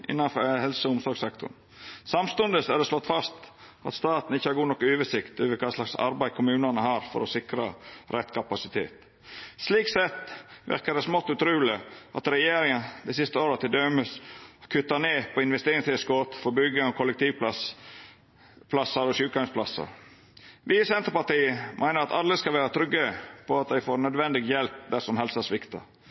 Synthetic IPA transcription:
ʔɪ̰nːɑnfhɛlsəʊmsɔɾɡsɛkt̪ʰʊ̰ɳ | sɑmst̪ɔnd̪əsæd̪ɛslɔt̪ːfɑst̪ | ɑ̰t̪st̪ɑːt̪n̩ɪçːəhɑɾɡuːnɔkːəøːʋəsɪkt̪øːʋəkʰɑːslɑksɑ̰ɾbæɪkʰʊmʉːnɑnəhɑːɾfɔ̰ɾɔsɪkɾɑɾʔɛt̪ːkʰɑpɑsɪt̪ʰḛːt̪ | sliːksɛt̪ːʋɪ̰ɾkɑd̪ɛsmɔt̪ːʉt̪ɾʉːləʔɑ̰t̪ɾɛjeːɾɪŋənd̪ɛsɪst̪əoːɾɑt̪ɪld̪œməskʰʉt̪ːɑneːpʰɔɪnʋɛst̪eːɾɪŋsɪəskɔt̪fɔɾbʏɡəɔkʰɔlːɛk̚t̪ʰiːʋp | pʰlɑsɑɾɔʃʉːkɑŋsplɑsːɑ̰ | ʋiːsɛnt̪əɾpɑʈiːmʔæɪnəɾɑt̪ɑlːəskɑlʋæːɾət̪ʰɾʏɡːəpʰɔɑt̪̚d̪æɪfoːɾnœd̪ʋɛnd̪ɪɡjɛlp̚d̪æsɔmhɛlsæsʋɪkt̪ɑ̰

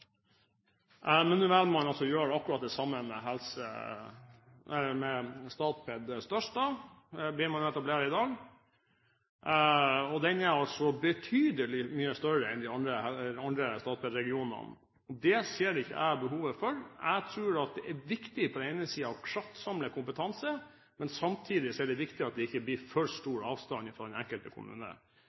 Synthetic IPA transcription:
ʔmɛnːʉːʋɛlmɑnɑlsɔjøːɖɛɑkːʉɾɑːt̪̚d̪ɛsɑmːənmɛ̰ɦɛlsə̰ | ɛmɛst̪ɑːt̪pʰɛd̪st̪œʂʈdɑ | blɪɾmɑnɛt̪ɑbleːɾɪd̪ɑːɡ | ɔd̪ɛnɛɾɑlsɔbət̪ʰyːd̪əlɪmyːəst̪œɾəɛnd̪ɪɑnd̪ɾəɑnd̪ɾəst̪ɑːt̪̚pʰɛd̪ɾɛɡɪuːnə̰n | ɔd̪ɛseːɖɪçːə̰ʔæ̰ɪbəɦuːʋəfɔɾæ̰ɡt̪ʰɾʉːɾɑt̪̚d̪ɛʔɛʋɪkt̪ɪpʰɔd̪ɛnɛɪnəsiːəɑʋkʰlɑt̪ːsɑmləkʰʊmpət̪ʰɑnsə | mɛnsɑmt̪ʰiːd̪ɪsɔɛɖɛʋɪkt̪ɪɑt̪̚d̪ɛɪçːəblɪːɾfœɾst̪uːɾɑːʋst̪ɑnɪfɾɔːd̪ɛnɛŋkəlt̪əkʰʊ̰mʉ̰ːnə̰

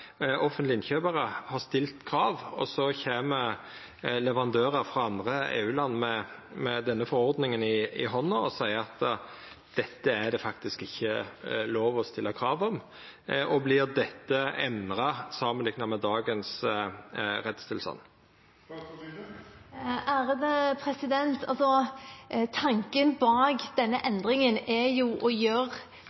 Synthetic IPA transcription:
ʔɔfənt̪lɪɪnçøːbəɾəhɑʁst̪ɪlt̪kʰɾɑːʋɔsɔçeːmə | lɛʋəʁɑnd̪øːɾəɾfɾɑɑnd̪ʁəḛːʉːlɑnːmɛmɛd̪ɛnːəfɔɾɔɾd̪nɪŋənɪɪ̰ɦɔnːɔɔsæɪəɑt̪ | d̪̥ɛt̪ːəæd̪ɛfɑkt̪ɪskɪçːəloːʋɔst̪ɪlːɑkʰɾɑːʋɔm | ɔblɪʁd̪ɛt̪ːəɛnʁɑsɑːmənlɪɡnɑmɛd̪ɑːɡəns | ɾɛt̪st̪ɪlsɑ̰n | æːɾəd̪əpʰɾɛsɪd̪ɛnt̪ʰɑ̰lsɔ | t̪ʰɑŋkənbɑːɡd̪̥ɛnːəʔɛnd̪ʁɪŋənɛjuʔɔjøːɾ

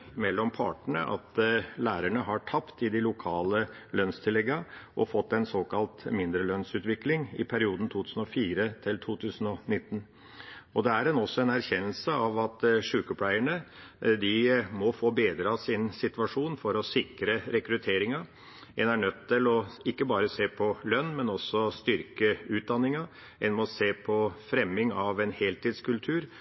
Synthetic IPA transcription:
mɛlːɔmpʰɑ̰ːʈɳə̰ʔɑ̰t̪læːɾæɳəɦɑʈʰɑpt̪ɪd̪ɪlʊkʰɑːlə | lœnst̪ʰɪlːɛɡːɑʔɔfɔt̪ːɛnsoːkɑlt̪mɪnd̪ɾəlœnsʉːt̪ʋɪklɪŋɪ̰pʰæɾɪuːd̪n̩t̪ʰuːt̪ʰʉːsn̩ɔfiːɾət̪ʰɪlt̪ʰuːt̪ʰʉːsn̩ɔnɪt̪ːn̩ | ɔd̪ɛæɾɛnɔsːɔɛnæɾçɛnːəlsəɑʋɑt̪ʂʉːkəpʰlæɪəɳəd̪ɪmɔfoːbeːd̪ɾɑsɪnsɪt̪ʋɑʂuːnfɔɾɔsɪkɾəɾɛkɾʉt̪ʰeːɾɪŋɑ | ɛnæɳœt̪ʰːɪlɔɪkːəbɑːɾəseːpʰɔlœnːmɛnɔsːɔst̪ʏɾkəʉːt̪̚d̪ɑnːɪŋɑ | ɛnmɔseːpʰɔfɾɛmːɪŋɑʋɛnheːlt̪iːd̪skʉlt̪ʰʉːɾ

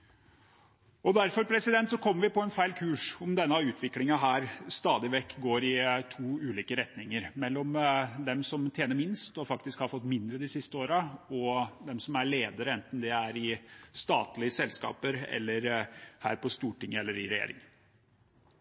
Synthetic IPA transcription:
ɔd̪æɾfɔɾpʰɾɛsɪd̪ɛnt̪sɔkʰɔmːəʋɪpɔɛnfæɪlkʰʉːʂɔmd̪ɛnːɑʉːt̪ʰʋɪklɪŋɑɦæːɾst̪ɑːd̪ɪʋɛkːɡoːɾɪt̪ʰuːʉːliːkəɾɛt̪nɪŋəɾmɛlːɔmd̪ɛmsɔmt̪ʰjeːnəɾmɪnst̪ɔfɑkt̪ɪskhɑɾfɔt̪ːmɪnd̪ɾəd̪ɪsɪst̪əoːɾɑɔd̪ɛmsɔmæɭeːd̪əɾəɛnt̪n̩d̪ɛæɾɪst̪ɑːt̪lɪəsɛlskɑ̰ːpəɾɛ̰lːəɾhæ̰ːɾpɔst̪uːʈɪŋːəɛlːəɾɪɾɛjḛːɾɪ̰ŋ

